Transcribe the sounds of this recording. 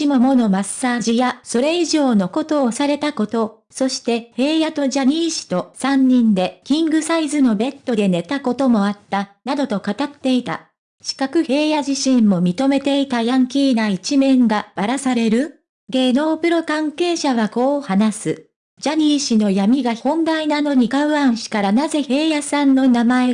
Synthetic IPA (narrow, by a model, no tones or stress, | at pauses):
imomo̞no̞masːaːʑijaso̞ɾe̞iʑo̞ːno̞ko̞t̪o̞ːsaɾe̞t̪ako̞t̪o̞ | so̞ɕi̥t̪e̞he̞ːjat̪o̞ʑaɲ̟iːɕi̥t̪o̞sãɲ̟ːĩnd̪e̞kʲĩŋɡɯ̟saizɨno̞be̞t̪ːo̞d̪e̞ne̞t̪ako̞t̪o̞mo̞at̪ːanad̪o̞t̪o̞kat̪at̪ːe̞it̪a̰ | ɕi̥kakɯ̟he̞ːjaʑiɕĩmːo̞mʲit̪o̞me̞t̪e̞it̪ajãŋkʲiːnait͡ɕimẽ̞ŋɡab̥aɾasaɾe̞ɾɯ̟ | ɡe̞ːno̞ːpɯ̟ɾo̞kãŋke̞ːɕaβako̞ːhanasɨ | d͡ʑaɲ̟iːɕino̞jamʲiɡahõ̞nd̪ainano̞ɲ̟ikaɯ̟ãɰ̃ɕi̥kaɾanaze̞he̞ːjasãnːo̞namae